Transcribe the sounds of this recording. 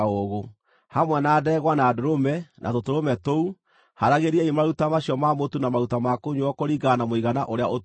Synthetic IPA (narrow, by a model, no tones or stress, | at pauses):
oɣo | hamwɛnadɛːɣwanaːdoɾomɛnʔa̰totoɾomɛtou | haɾaɣeɾiɛimaɾutamaɕiɔmamotunamaɾutamakoɲwɔkoɾiɡanamoiɣanaʔoɾeaʔo